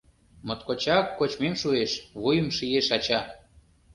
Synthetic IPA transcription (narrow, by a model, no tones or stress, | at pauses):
mot̪kot͡ɕɑkːot͡ɕmemʃueʃβujə̆mʃijeʃɑt͡ɕɑ